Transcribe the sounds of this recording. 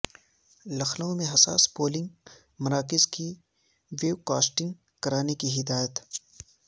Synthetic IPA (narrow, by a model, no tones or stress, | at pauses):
lɐxlõmẽɦɐsa̰ːspoːlɪ̃ŋɡ | mɐɾaːkɪzki | ʋeːwkaːsʈɪ̃ŋɡ | kɐɾaːnekiɦɪd̪aːjət̪